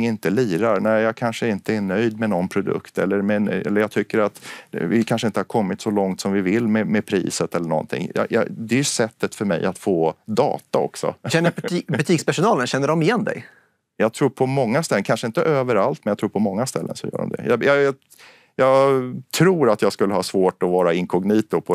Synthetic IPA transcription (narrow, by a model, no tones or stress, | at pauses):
ŋɪnt̪əliːɾaɾnæɪjɑːkʰanʂəɪnt̪əɛnœjd̪mɛnɔnpʰɾʊd̪ɵ̰kt̪ɛlːəɾmɛɛ̰lːəjɑɡt̪ʰʏkːəɾat̪vɪkʰanʂəɪnt̪əhaɾkʰɔmːɪt̪sɔlɔŋt̪sɔmvɪvɪlːmɛmɛpʰɾḭːsət̪ɛlːəɳɔ̰nt̪ʰɪ̰ŋjɑ̰jɑ̰d̪ɛjsɛt̪ːət̪fœɾmɛ̰jʔat̪foːd̪ɑ̰ːt̪aɔ̰ksɔ̰ɕɛnːəbɵt̪ʰiːkspæʂʊnɑːlənɕɛnːəɖɔmɪjɛnd̪ɛ̰j | jɑɡt̪ʰɾuːɾpʰɔmɔŋːast̪ɛlənkʰanʂəɪnt̪əʔøːvəɾalt̪mɛnjat̪ʰuːɾpʰɔmɔŋːast̪ɛlːə̰nsɔjœ̰ːɖɔ̰md̪ɛ̰jɑjɑj | jɑːɡt̪ʰɾuːɾat̪jɑːɡskɵlːəɦɑːsvoːʈɔvɑːɾaɪŋkʰɔɡniːt̪ʊpʰɔ